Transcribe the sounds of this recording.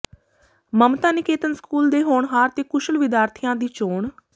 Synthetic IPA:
məmt̪ãːnɪkeːt̪ənskuːld̪eːɦoːɳɦaːɾt̪eːkʊʃəlʋɪd̪jaːɾt̪ʰɪjãːd̪iːt͡ʃoːɳ

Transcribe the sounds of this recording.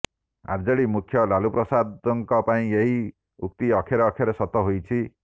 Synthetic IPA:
a̰ɾd͡zɔɽimukʰjɔlalupɾɔsad̪ɔŋkɔpaĩeɦi | uk̚t̪iʌkʰjeɾɔːkʰjaɾesɔt̪ɔɦojt͡ʃʰi

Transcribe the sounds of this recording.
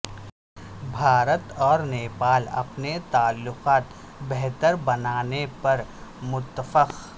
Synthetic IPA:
bʱaːɾət̪ɔːɾneːpaːlɐ̰pnet̪aːlːʊqaːt̪ | beɦt̪əɾbɐnaːnepɐɾmʊt̪ːəfəq

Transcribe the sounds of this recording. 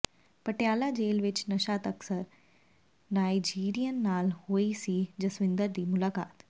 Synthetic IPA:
pɐʈjaːlad͡ʒeːlʋɪt͡ʃnɐʃaːt̪ɐksəɾ | naːid͡ʒiːɾijənːaːlhoːisid͡ʒɐsʋɪ̃nd̪əɾd̪iːmʊlaːka̰ːt̪

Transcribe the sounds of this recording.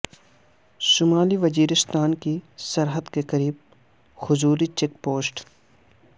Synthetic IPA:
ʃʊmaːliʋɐziːɾɪst̪aːnkisɐɾɦəd̪keqɐɾiːb̚ | xʊzuːɾit͡ʃek̚poːsʈ

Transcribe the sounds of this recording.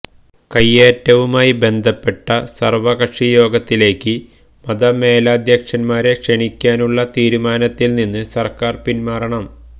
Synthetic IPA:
kɐjːeːtːɐʋumaːjibe̞nd̪ʱɐpːe̞ʈːɐsɐrʋɐɣɐʂijo̞ːɡɐt̪ːile̞ːkːɨ | mɐd̪ɐme̞ːlaːd̪jɐkʂɐnmaːɾe̞kʂeɳikʲːaːnuɭːɐt̪iːɾumaːnɐt̪ːilninːɨsɐrkaːrpinmaːrɐɳɐm

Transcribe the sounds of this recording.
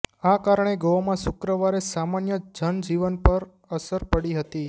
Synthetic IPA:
akaɾəɳ̃eɡomãsʊkɾəʋaɾesamanjəd͡ʒənd͡ʒiʋənpəɾ | əsəɾpəɽiɦət̪i

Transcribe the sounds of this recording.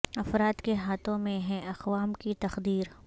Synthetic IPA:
ɐfɾaːt̪keɦaːt̪ʰõmẽɦɛ̃ʔɐxʋaːmkit̪ɐxd̪iːɾ

